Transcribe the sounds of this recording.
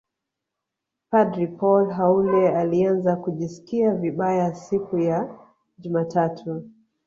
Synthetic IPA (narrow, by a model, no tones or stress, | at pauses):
padɾipʰɔlɦaulɛalianzakuʄisi̥kiaviɓajasikuja | ʄumatʰatʰu